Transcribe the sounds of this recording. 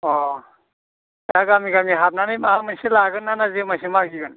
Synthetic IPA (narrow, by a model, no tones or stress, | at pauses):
ɔ | aɡamiɡamiɦap̚nanɯjmamajselaɡɯnːanazemajsemaɡiɡɯn